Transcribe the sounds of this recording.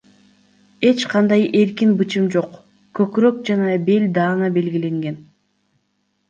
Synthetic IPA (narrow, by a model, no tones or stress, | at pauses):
e̞t͡ʃqɑnd̪ɑjʔe̞ɾkinbɯt͡ʃɯmd͡ʒo̞q | kɵkɾøk̚d͡ʒɑnɑbe̞lʲd̪ɑːnɑbe̞lɡile̞ŋɡe̞n